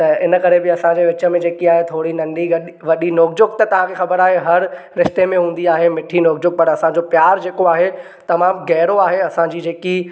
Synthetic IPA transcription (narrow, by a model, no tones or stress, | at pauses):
t̪ɐɪnəkɐɾebɪɐsãd͡ʑeːʋɪt͡ɕə̆mẽd͡ʑeːkiaːɦet̪ʰoːɽinɐ̃nɖiɡɐɗ | ʋɐɗinoːɡd͡ʑʊkt̪ɐt̪ɐʋ̤ãkʰexɐbəɾaːɦeɦɐɾ | ɾɪʃt̪emẽɦũːn̆d̪iaːɦemɪʈʰinoːɡd͡ʑʊk̚pɐɾɐsãd͡ʑopjaːɾd͡ʑeːkoaːɦe | t̪ɐmaːmɡɛːɾoaːɦeɐsãd͡ʑiːd͡ʑeːki